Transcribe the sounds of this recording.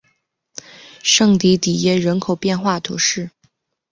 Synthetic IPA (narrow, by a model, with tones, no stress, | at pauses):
ʂɤ˥˩ŋt̪i˧˥t̪i˨˩jɛ˥˩ɻə˧˥nkʰo˨˩ʊpjɛ˥˧nxwa˥˩t̪ʰṵ˧˥ʂɻ̩˥˩